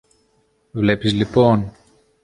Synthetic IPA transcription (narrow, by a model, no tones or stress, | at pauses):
vle̞pizlipo̞n